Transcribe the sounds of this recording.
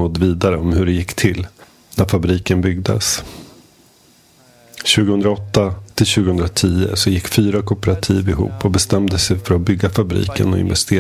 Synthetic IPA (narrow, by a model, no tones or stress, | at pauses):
ɔd̪ːviːd̪aɾəɔmhɵɖɛjɪkːt̪ʰɪlː | næɾfabɾiːkənbʏɡ̚d̪ə̰s | ɕʉ̟ːɡəhɵnd̪ɾaɔt̪ːat̪ʰɪlɕʉːɡəhɵnd̪ɾat̪ʰiːə̰sɔjɪkːfyːɾakʰʊpəɾat̪ʰiːvɪɦṵːpʰːɔbɛst̪ɛmd̪əsɛjfœɾɔbʏɡːafabɾḭːkə̰nɔɪ̰nvɛ̰st̪ʰeː